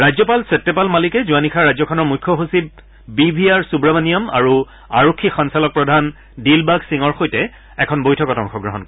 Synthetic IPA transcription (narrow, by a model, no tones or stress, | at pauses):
ɹajzɔpalsep̚tːepalmalikɛzuanikʰaɹajzɔkʰɔnɔɹmujkʰːɔɦusib̚ | bibʱiaɹsubɹabanijɔma̰ɹu | aɹokʰːixɔnsalɔk̚pɹɔdʱan | dilbaɡsiŋɔɹxojtɛ | ɛkʰɔnbojtʰɔkɔtɔŋkʰɔɡɹɔɦɔnkɔ